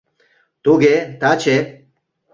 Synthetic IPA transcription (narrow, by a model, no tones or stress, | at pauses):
t̪uɡet̪at͡ɕʰe